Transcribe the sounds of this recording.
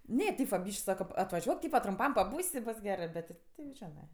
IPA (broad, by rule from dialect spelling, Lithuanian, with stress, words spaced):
ˈnʲɛ ˈtʲeːp ʋɐ ˈbʲiːʃʲkʲ ˈsɑːkɐ ɐtʋɐˈʒʲuɔk ˈtʲiːpɐ trʊmˈpɐm pɐˈbuːsʲ ɪ ˈboːs ˈɡʲæːrɜ ˈbʲɛt tʲɪ ˈtʲɪ jɛʊ ˈʒʲæːnɜ